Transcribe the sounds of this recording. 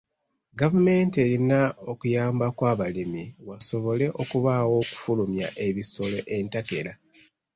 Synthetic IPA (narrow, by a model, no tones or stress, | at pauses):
ɡavume̞ːnte̞ɾinaokujaːmbakwaːβalimiwaso̞βo̞le̞ʔo̞kuβawo̞ku̥fulumja̰ʔe̞βiso̞lo̞ʔe̞ntake̞ɾa